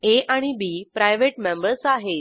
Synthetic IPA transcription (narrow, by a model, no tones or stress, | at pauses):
eaɽ̃ibipɾajʋeʈmẽmbəɾsaɦe